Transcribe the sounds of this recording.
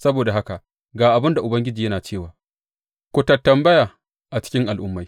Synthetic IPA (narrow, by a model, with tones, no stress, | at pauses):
sɐ˦boː˨da˨ɦa˦ka˨ | ɡaː˨ʔa˨bɪ˦nda˨ʔʊ˨bɐ˦ŋɡʲɪ˦d͡ʒiː˨jɐ˦naː˨t͡ʃeː˦˨waː˨ | kʷʊ˦tɐ˨tːɐ˨mbɐ˦jaː˨ | ʔa˨t͡ʃɪ̥˦kʲɪ˦ŋʔa˨lʔʊ˦mːa˦j